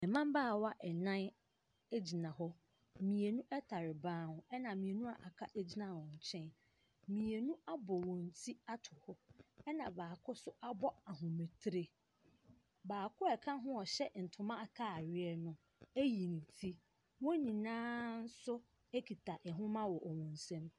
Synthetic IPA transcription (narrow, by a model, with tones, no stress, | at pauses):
ɛ˨mã˦mbaː˦˨wa˦ʔɛ˨nã˦n | e˦d͡ʑi˨nã˨ɦɔ˦ | mĩ˨e˨nũ˦ʔɛ˦tʰa˨ɾɪ˨bãː˦hʊ̃˨ɛ˦nã˨mĩ˨e˨nũ˦a˨ʔa˨kʰa˦ʔe˦d͡ʑi˦nã˨wɔ̃˨ɲ̩˨t͡ɕʰɛ̃˦n | mĩ˨e˨nũ˦a˦bɔ˨wɔ̃˨n̩˨tʰi˦a˦tʰʊ˨hɔ˦ɛ˦nã˨baː˨kʰʊ˦sʊ˦ʔa˦bɔ˦a˨ɦʊ̃˨me˨tʰɾe˨ | baː˨kʰʊ˦ɛ˨kʰã˦ɦʊ̃˦ɔ˨ɕɛ˦n̩˨tʰʊ˨mã˦a˦˨kʰa˦˨ɥɪ˦ɛ˦nʊ̃˦ | æ˦ji˨nĩ˨tʰi˦ | wɔ̃˦nĩ˨nãː˦n̩˦sʊ˦ | e˦kʰi˨tʰa˨ʔɛ˨ɦʊ̃˦mã˦wɔ˨ʔɔ˨wɔ̃˨n̩˨sɛ̃˦m